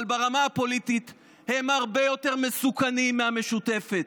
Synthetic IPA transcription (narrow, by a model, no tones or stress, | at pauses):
lbaʁamaapo̞lit̪it̪ | hemaʁbe̞jo̞t̪e̞ʁme̞sukanimːeame̞ʃut̪e̞fe̞t̪